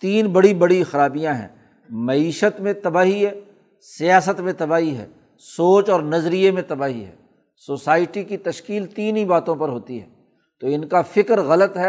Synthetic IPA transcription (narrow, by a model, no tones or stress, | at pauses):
t̪iːnbɐɽibɐɽixəɾaːbijãɦɛ̰̃ː | mɐiːʃət̪mẽt̪ɐbaːɦiɦɛː | sijaːsət̪mẽt̪ɐbaːɦiɦɛ̰ː | soːt͡ʃɔːɾnɐzɾijemẽt̪ɐbaːɦiɦɛ̰ː | soːsaːɪʈikit̪ɐʃkiːlt̪iːnibaːt̪õpɐɾɦoːt̪iɦɛ̰ː | t̪oːɪnkafɪkɾɣɐlət̪ɦɛ